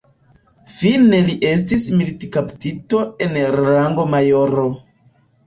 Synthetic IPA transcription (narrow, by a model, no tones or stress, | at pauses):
fine̞liʔe̞s̬tismilitikaptito̞e̞nɾaŋɡo̞majo̞ɾo